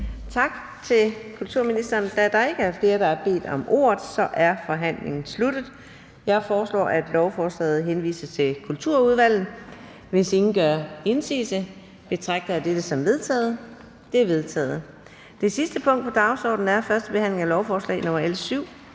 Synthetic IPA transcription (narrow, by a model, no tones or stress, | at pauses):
t͡sʰɑ̈ɡ̥ | t͡sʰe̝lkʰult͡sʰuɐ̰minisd̥ɐːnd̥ææɐd̥ɑ̈e̝ɡ̥əfle̝ːɐd̥ɾɑ̈æɐb̥e̝̰ːd̥ɒ̽mʔo̝̰ːɐð̩ˠsɒ̽ʔæɐfɒ̽ɦæn̰le̝ŋn̩slud̥ð̞̩ˠ | jɑ̈ɪfɒːslɒ̰ːæd̥lɒʊfɒːslɛ̰ːð̞̩ˠɦenʋḭːsɐt͡sʰe̝lkʰult͡sʰuɐ̰uð̞ˠʋæl̰ð̩ˠ | ʋe̝se̝ŋn̩ɡ̥ɶɐe̝nsḭːsə | b̥e̝t͡sʰʁɑ̈ɡ̥̚d̥ɐðæd̥ed̥əsɒ̽mʋe̝ðˠt͡sʰɛ̰ːð̞̩ˠ | d̥e̝ɐʋe̝ðˠt͡sʰɛ̰ːð̞̩ˠ | d̥e̝sisd̥əpʰɔ̽ŋ̰d̥̚pʰɒ̽d̥ɑ̈ʊsɒ̰ːd̥n̩æɐfɶɐsd̥əb̥e̝hæn̰le̝ŋælɒʊfɒːslɛ̰ɪnɔ̽mɐelsyʊ̰